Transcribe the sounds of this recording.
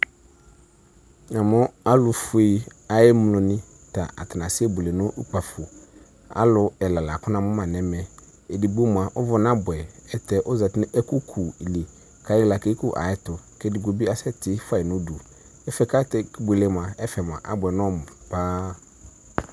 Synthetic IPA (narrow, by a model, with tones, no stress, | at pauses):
nã˨mʊ̃˦a˦lʊ˨fe˦a˨jɪ˦mlʊ̃˨nɪ̃˦ | ta˨ʔa̰˨tɪ˨nã˨sɪ˦e˦bu˨le˨nʊ̃˦ʔu˦k͡pa˨fʊ˨ | a̰˦lʊ˨˦ɛ˨la˨la˨kʊ˦nã˨mʊ̃˦mã˨nɛ̃˨˦mɛ̃˨ | e˨di˨ɡ͡bu˦m˨a˨ʔʊ˦vʊ˨n˦ã˦bʊ˨ɛ˨ɛ˨tɛ˨ʔʊ˦za˨tn˦ɛ˦ku˦kʰu˨i˨le˨ | kʰa˨˦ɪ˦la˨ke˦kʊ˦ʔa̰˨jɪ˦tʊ˨kɛ˦dɪ˨ɡo˨bi˦a˦sɛ˦tɪ˦fa˦˨ɪ˨nʊ̃˦du˨ | ɛ˦fɛ˨ka˦tɛ˨kbu˨le˨m˨ã˨ɛ˦fɛ˨m˨ã̰˨ʔa˦bɛ˨n˦ɔ̃˦˨m˨paː˦